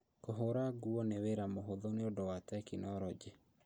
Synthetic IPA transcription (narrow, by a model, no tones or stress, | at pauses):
koɦoɾaɡuɔneweɾamoɦoðoneodowatɛkinɔɾɔd͡ʒe